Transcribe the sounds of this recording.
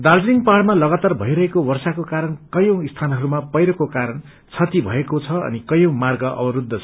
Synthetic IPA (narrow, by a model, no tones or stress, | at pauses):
d̪ard͡ziŋɡpaɽmalʌɡat̪arbʱʌiɾʌɦekowʌrsakokaɾʌnkʌjõw̃ist̪ʰanɦʌɾumapʌjɾʌkokaɾʌn | t͡sʰʌt̪ibʱʌekot͡sʰʌʌ̰nikʌjõw̃marɡʌʔʌ̰bʌɾud̪ʱːʌt͡sʰʌ̥